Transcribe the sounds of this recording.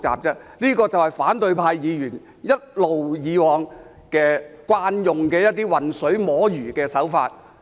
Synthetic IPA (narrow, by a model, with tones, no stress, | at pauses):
t͡sa̰ː˨p̚t͡sɛː˥liː˥kɔː˧t͡sɐ˨whɐ˨˩jfaː˨˥nt̪ɵ˧ɥpʰaː˧jjiː˨˧jyː˨˩n | jɐ˥t̚lo˨wjiː˨˧wɔː˨˧ŋ | kɛː˧kʷwaː˧˥njʊ˨ŋkɛː˧jɐ˥t̚t̪iː˥wɐ˨˩nsɵ˨˥ɥmɔː˨˥jyː˨˩kɛː˧sɐ˨˥wfa̰ː˧t̚